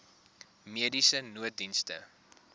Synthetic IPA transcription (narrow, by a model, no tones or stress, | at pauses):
miədisənuət̚dinstə̰